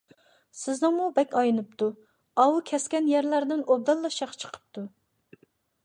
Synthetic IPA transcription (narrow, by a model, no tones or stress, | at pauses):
sɪznɨŋmubɛkʲɑjɨnɨpt̪ʰu | ɑwukʲʰɛskʲɛnjɛɾlæɾd̪ɪnob̚d̪ɑlˠːɑʃɑqt͡ʃʰə̥qʰə̥p̚t̪ʰu